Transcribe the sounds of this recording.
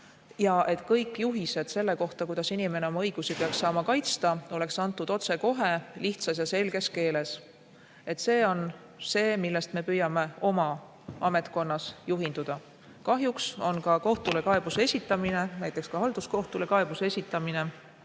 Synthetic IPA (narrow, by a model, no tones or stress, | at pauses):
jɑʔe̞t̪kɤjkːˑjuɦise̞d̪̥se̞lːe̞ko̞ht̪ɑkujd̪̥ɑsinime̞neo̞mɑɤjɡ̥usipeɑksːɑːmɑkɑjt̪st̪ɑo̞le̞ksɑnt̪ːˑud̪̥o̞t̪se̞ko̞ɦe̞liht̪sɑsjɑse̞lɡ̥e̞ske̞ːle̞s | e̞t̪ːse̞ːo̞n | se̞ːmilːe̞st̪me̞pyjɑme̞o̞mɑ | ɑme̞t̪ko̞nːɑsjuɦind̪̥ud̪̥ɑ | kɑɦjukso̞nkɑko̞ht̪ule̞kɑe̞b̥use̞sʲit̪ːˑɑmine̞næjt̪ːˑe̞kskɑhɑld̪̥usko̞ht̪ule̞kɑe̞b̥use̞sʲit̪ˑːɑmine̞